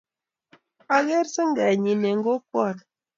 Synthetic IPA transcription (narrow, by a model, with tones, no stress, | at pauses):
a˨ɣe˦ɾsə˦ŋ˦ɡɛ˨ɲi˨ne˨ŋ̩˦ɡo˦kwɔ˦˨ɾ